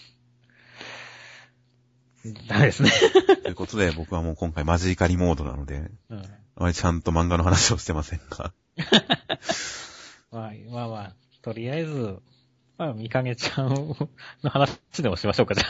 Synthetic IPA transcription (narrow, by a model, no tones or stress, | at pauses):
d̪amed̪e̞sɨnet̪oiɯ̟kot̪o̞d̪e̞bo̞kɯ̟βamo̞ːkõ̞ŋkaimaʑiːkaɾʲimo̞ːd̪o̞na̰no̞d̪e̞̰ɯ̟̃ɴ | amaɾʲi̥t͡ɕãnt̪o̞mãŋɡano̞ɦanaɕioɕi̥t̪e̞masẽ̞ŋɡa̰ | mamamaː | t̪o̞ɾʲiaezɨ | mamʲikaɡe̞t͡ɕã | no̞hanaɕid̪e̞mo̞ɕimaɕo̞ːkad͡ʑa